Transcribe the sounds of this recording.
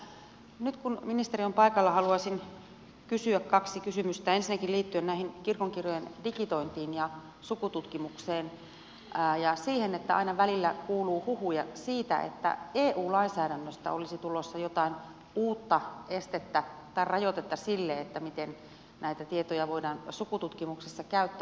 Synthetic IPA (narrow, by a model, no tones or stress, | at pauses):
nyt̪kunminist̪eriompɑikɑlːɑhɑluɑsin | kysyækkɑksikysymyst̪æensinːækilliːt̪ːyønnæihinkirkoŋkirojendikit̪oint̪iːnjɑ | sukut̪ut̪kimukseːnː | jɑsiːhenet̪ːæ̰ɑ̰inɑʋælilːækuːluːhuhujɑsiːt̪æ̰ʔḛt̪ːæ̰eːʔuːlɑinsæːɾænːøst̪æ̰olisit̪ulosːɑjot̪ɑin | uːt̪ːɑest̪et̪ːæt̪ɑirrɑjot̪et̪ːɑsilːeet̪ːæmit̪en | næit̪æt̪iet̪ojɑʋoidɑːnsukut̪ut̪kimuksesːɑkæyt̪ːæ